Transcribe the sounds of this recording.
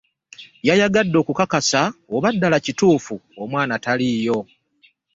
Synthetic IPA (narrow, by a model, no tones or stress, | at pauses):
jajaɡadːo̞ːkukakasaoβadːalacituːfuomwaːnataliːjo̞